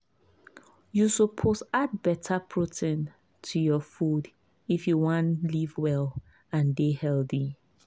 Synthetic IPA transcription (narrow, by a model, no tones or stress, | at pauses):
jusəpʰosad̚bɛtʰəpʰɹɔtɛ̃n | tʰujɔfud | ifjuwɔ̃nlivwɛl | ãndehɛlˠθi